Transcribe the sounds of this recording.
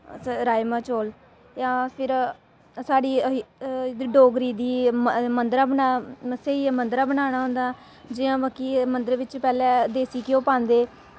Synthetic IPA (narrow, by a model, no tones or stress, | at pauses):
ɾaːjmãːt͡ʃoːl | jãːpʰɪɾ | saːɽiː | d̪ɖoːɡɾiːd̪iːmənd̪ɾãːbənaːseiːmənd̪ɾãːbənaːɽ̃aːɦʊ̃nd̪aː | d͡ʒɪjãːʋəkːiːmənd̪əɾʋɪt͡ʃpɛːlɛ̃ːd̪eːsiːkɪjõːpãːnd̪eː